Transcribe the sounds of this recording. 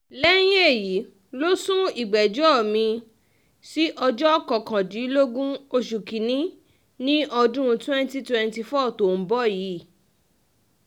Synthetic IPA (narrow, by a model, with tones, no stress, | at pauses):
lɛ˦j̃e˦e˦˨ji˨˦ | lo˦sũ˦i˨ɡ͡bɛ˨d͡ʒɔ˦˨mĩ˧ | si˦ʔɔ˧d͡ʒɔ˦kɔ˨kã˨di˨˦lo˦ɡũ˦o˧ʃu˨ki˨nĩ˦ | nĩ˦ʔɔ˧dũ˦ũ˧twɛ̃˦nti˦twɛ˦nti˧fɔ˦˨to˨m̩˦bɔ˦˨ji˨˦˨